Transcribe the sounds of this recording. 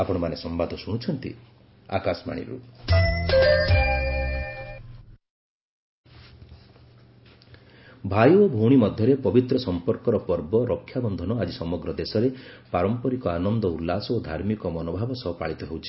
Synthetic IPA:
apɔɽ̃ɔmanesɔmbad̪ʱɔsuɽ̃t͡ʃʰɔnt̪ḭ | a̰kasma̰ɽ̃ḭɾṵ | bʱajuobʱuɽ̃imɔd̪ʱjɔɾepɔbit̪ɾɔsɔmpɔɾkɔɾɔpɔɾbɔɾɔkʰːjabɔnd̪ʱɔnɔad͡ʒisɔmɔɡɾɔd̪esɔɾepaɾɔmpɔɾikɔanɔnd̪ɔulːasɔod̪ʱaɾmikɔmɔnobʱabɔsɔɦɔpa̰ɭit̪ɔɦewt͡ʃʰi̥

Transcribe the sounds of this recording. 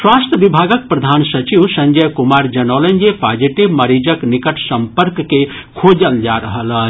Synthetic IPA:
swast̪ʰəʋibʱaɡək̚pɾɐd̪ʱansət͡ʃiʋsə̃ɲd͡ʒəjkumaɾd͡ʒənələnjepad͡ʒiʈibməɾid͡ʒəknikəʈʰsəmpəɾkːe | kʰod͡ʒəld͡ʒaɾəɦələ

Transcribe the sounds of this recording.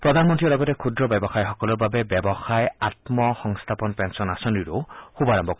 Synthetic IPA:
pɾɔd̪ʱanmɔnt̪ɾilɔɡɔtekʰud̪ɾɔbɛbɔxajxɔkɔlɔɾbabebjɔbɔxajat̪mɔxɔŋst̪ʰapɔnpensɔnasɔniɾuxubaɾɔmbʱɔk

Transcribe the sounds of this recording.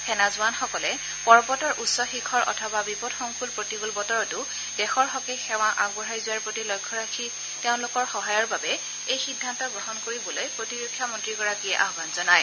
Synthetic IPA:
pʰɛnazʊanxɔkɔlɛ | pɔɹbɔtɔɹʔutsɔxikʰɔɹʔɔ̰tʰɔbabipɔdxɔŋkʰulpɹotiɡulbɔtɔɹɔtʊ | dɛxɔɹxɔkexɛw̃aʔaɡbɔɹɦajzʊwaɹpɹotilɔjkʰːɔɹakʰi | teʊ̃lʊkɔɹxɔɦajɔɹbabɛ | ejxidʱːantɔɡɹɔɦɔnkoɹibɔlojpɹotiɹokʰːjamɔntɹiɡɔɹakiɛʔa̰ɦbanzɔnaj

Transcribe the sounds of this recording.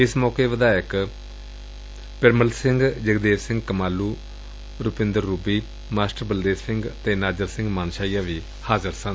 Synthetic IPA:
ɪsmɔːkeːʋəd̪aːɪk | pɪɾməlsɪ̃ŋɡd͡ʒəɡd̪eːsɪ̃ŋɡkəmaːluː | ɾʊpɪ̃nd̪əɾːuːbiː | maːsʈəɾbəld̪eːssɪ̃ŋɡt̪eːnaːd͡ʒəɾsɪ̃ŋɡmaːnʃaːijaːʋiː | haːzəɾsən

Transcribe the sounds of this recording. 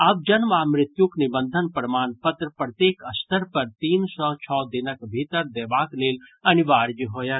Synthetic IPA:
ɐb̚d͡ʒɐnmaːmɾɪt̪juknɪbənd̪ʱənpɾmaːnpɐt̪ɾəpɾət̪jeːkɐst̪ʰəɾpɐɾt̪iːnsɔt͡ʃʰɔːd̪ɪnəkbʱiːt̪əɾd̪ɛːʋaːkleːlɐniʋaːɾd͡ʒiɦoːja

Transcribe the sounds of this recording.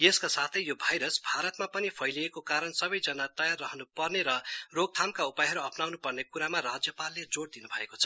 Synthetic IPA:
jeskasat̪ʰʌjjobʱajɾʌsbʱaɾʌt̪mapʌnipʰʌjliekokaɾʌnsʌbʌjd͡zʌnat̪ʌjarːʌɦʌnupʌrneɾʌroɡ̚t̪ʰamkaupajɦʌɾuʌpnawnupʌrnekuɾamarad͡zjʌpalːed͡zoɽd̪inubʱʌekot͡sʰʌ̥

